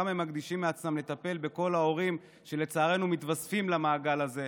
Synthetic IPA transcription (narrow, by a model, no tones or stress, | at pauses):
amhemːaɡd̪iʃimːeat͡smamle̞t̪ape̞lbe̞ko̞lao̞ʁim | ʃe̞le̞t͡saːʁe̞numit̪vasfimlamaːɡalaze̞